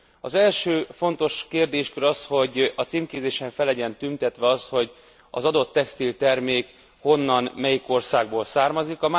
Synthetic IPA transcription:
ɒzɛlʃøːfo̞nt̪o̞ʃkeːrd̪eːʃkøɾɒsho̞ɟɒt̪siːmkeːzeːʃɛɱfɛlːɛɟɛnt̪ynt̪ɛt̪ʋɛɒst̪ho̞ɟ | ɒ̰zɒd̪o̞t̪ːɛkst̪ilt̪ɛrmeːk | ho̞nːɒnmɛjiko̞rsaːɡboːlsaːrmɒzikɒm

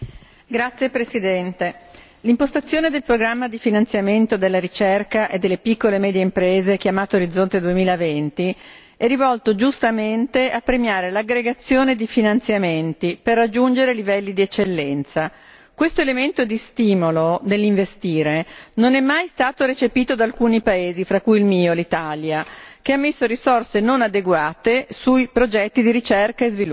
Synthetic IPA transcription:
ɡɾat̪sjepɾesid̪ɛnt̪e | limpost̪at̪sːjoːned̪elpɾoɡɾamːad̪ifinant̪sjament̪od̪elːaɾit͡ʃɛrkaʔed̪ːelːepikːolemɛːd̪jeimpɾeːzek̟jamaːt̪ooɾid̪zːont̪ed̪uemiːlavent̪i | ɛrivɔlt̪od͡ʒust̪ament̪eʔapːɾemjaːɾelaɡɾeɡat̪sːjoːned̪ifinant̪sjament̪iperːad͡ʒːund͡ʒeɾelivɛlːid̪iɛt͡ʃːelːɛnt̪sa | kwest̪oelement̪od̪ist̪iːmolod̪elːiɱvest̪iːɾenonɛmːajst̪aːt̪oɾet͡ʃepiːt̪od̪alkuːnipaeːzifɾakːujilmiːolit̪aljakeamːesːoɾisorsenonad̪eɡwaːt̪esujpɾod͡ʒɛt̪ːid̪iɾit͡ʃerkaezvilu

